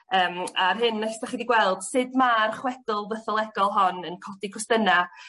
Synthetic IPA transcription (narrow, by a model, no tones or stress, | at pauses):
əːmarɦɨnːɛstaχiːdiɡwɛlˠd̥sɨdmarχwɛd̥ʊlˠvəθɔlˠɛɡɔlˠɦɔnənkʰɔdiɡʰʊstəna